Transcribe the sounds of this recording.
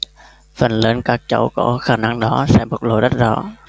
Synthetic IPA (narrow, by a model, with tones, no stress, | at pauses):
fə˨˩nlə˨˧˦nkaː˦˥k̚t͡ɕə˧˩wkɔ˧˦xaː˧˩na˧ŋɗɔ˨˦sɛ̰˧˥ɓə˨˩k̚lo̰˧˨jɗə˦˥t̚zɔ˧˥